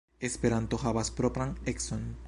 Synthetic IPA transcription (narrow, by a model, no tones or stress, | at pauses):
espeɾant̪oxaβaspɾopɾaŋekson